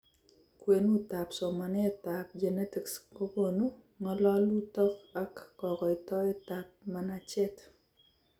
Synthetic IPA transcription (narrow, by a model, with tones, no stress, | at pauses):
kwe˨nu˦ta˨psɔ˨ma˨nɛ˦ta˨p̚d͡ʒe˨ne˦ti˨ksko˦bo˨nu˦ | ŋɔ˦lɔ˦lu˦tɔ˦ka˦kːɔ˨kɔ˨ɪ˨tɔ˦ɛ˦tap̚mana˨t͡ʃɛ˦t